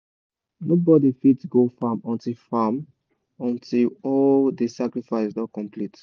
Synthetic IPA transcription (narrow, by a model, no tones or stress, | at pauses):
nobɔdifitɡofamɔ̃ntilfam | ɔ̃ntʰilɔldesakɹifaɪssnɔt̚kɔ̃mplit